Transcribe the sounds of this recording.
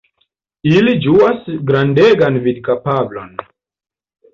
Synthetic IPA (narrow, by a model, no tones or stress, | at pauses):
ilid͡ʒuasɡɾandeɡanvid̚kapablo̞̰n